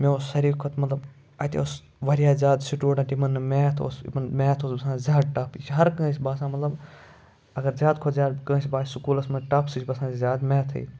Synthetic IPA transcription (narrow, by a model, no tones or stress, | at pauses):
mẽosɐɾiːkʰot̪mɐt̪lɐb | ɐt̪ḛos | ʋɐɾijaːzʲjaːd̪siʈuːɽãːt̪imɐnːmeːt̪ʰo̰smɐnmɛːt̪ʰoːsbɐsãːzʲjaːd̪̚ʈaːpʰit͡ʃɦɐɾkə̃ːsʲbaːsãːmɐt̪lɐb | ɐɡɐɾzʲjaːd̪kʰoːzʲjaːd̪kə̃ːsbaːsʊkuːlɐsmɐʈaːpʰsit͡ʃʰbɐsãːizʲjaːd̪mɛːt̪ʰɐ̰ḭː